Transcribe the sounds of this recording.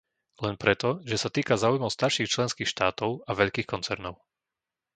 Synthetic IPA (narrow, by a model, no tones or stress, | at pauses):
lɛnpɾɛt̪ɔʒɛsat̪iːkazaːujmɔʊst̪aɾʃiːxt͡ʃlɛnskiːxʃt̪aːt̪ɔʊaʋɛʎkiːxkɔnt͡sɛɾnɔʊ